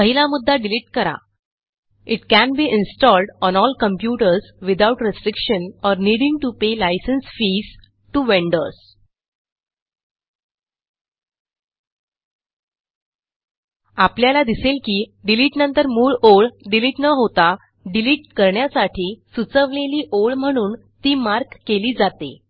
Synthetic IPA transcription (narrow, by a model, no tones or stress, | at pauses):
pəɦilamud̪ʱːaɖiliʈkəɾa̰ | iʈkænbiːʔinsʈɔlɖɔnɔlkəmpjuʈəɾsʋid̪auʈɾesʈɾikʂənɔɾniːɽĩŋɡʈupelajsənsfiːs | ʈuʋeɳɖəɾs | apljalad̪iselkiːɖiliːʈnənt̪əɾmuːɭoɭɖiliʈnəɦot̪a | ɖiliːʈkəɾɳjasaʈʰiːsut͡səʋleliːʔoɭm̤əɽ̃uːn | t̪iːmaɾkːeliːd͡zat̪ḛ